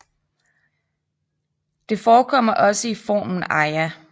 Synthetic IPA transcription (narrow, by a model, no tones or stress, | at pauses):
d̥e̝fɒːkʰɒ̽m̰ɐʔɒ̽səifɒ̰ːmn̩ɑ̈ɪæ